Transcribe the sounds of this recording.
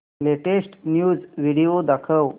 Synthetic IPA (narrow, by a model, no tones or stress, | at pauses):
leʈeʂʈnjuːd͡zʋiɽiod̪akʰəw